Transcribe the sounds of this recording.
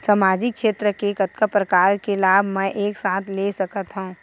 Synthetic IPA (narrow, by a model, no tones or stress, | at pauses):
samaːd͡ʒɪk̚ʃeːt̪ɾəkekɐt̪kəpɾəkaːɾkelaːbʱmɛ̃ʔeːksaːt̪ʰlesɐkət̪ɦũ